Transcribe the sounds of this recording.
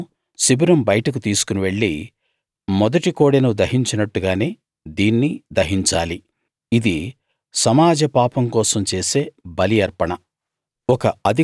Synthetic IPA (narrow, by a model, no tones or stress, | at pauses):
sibɐɾɐmbɐjɐʈɐk̬ut̪iːsu̥kuniʋe̞ɭːi | mɔd̪ɐʈikoːɽɐnud̪ɐɦiɲt͡ʃɐnɐʈːuɡaːne̞ː | d̪iːnːid̪ɐɦiɲt͡ʃaːli | id̪i | sɐmaːd͡ʒɐpaːpɐmkɔːsɐmt͡ʃe̞ːse̞ːbɐlijɐɾpɐɳɐ | ɔkɐɐd̪ʱi